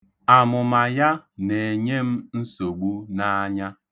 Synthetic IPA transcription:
a˨mʊ˨ma˨ja˦ne˨e˨ɲe˦m̩˦n̩˦so˨ɡ͡bu˦na˦a˦ɲa˦

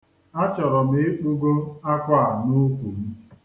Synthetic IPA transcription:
a˦t͡ʃɔ˨ɾɔ˨m̩ɪ˦e˦k͡pu˦ɡo˦a˦kʷa˦˨a˨nu˦kʷu˨m̩˦

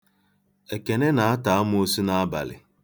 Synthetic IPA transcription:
e˨ke˨ne˦na˨a˦ta˨a˦mʊ˦o˦si˦na˦a˦ba̰˨lɪ̰˨

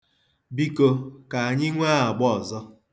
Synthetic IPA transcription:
bi˦ko˦ka˨a˨ɲɪ˦ŋʷaː˦a˨ɡ͡bɔ˦ɔ˨zɔ˦

